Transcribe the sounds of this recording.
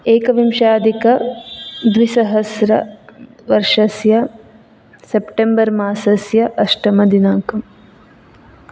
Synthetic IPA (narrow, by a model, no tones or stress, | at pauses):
eːkɐʋimʃaːd̪ʱikɐ | d̪ʋisɐɦɐsɾɐ | ʋɐɾʂɐsjɐ | sepʈembɐɾmaːsɐsjɐʔɐʂʈɐmɐd̪ʱinaːkɐm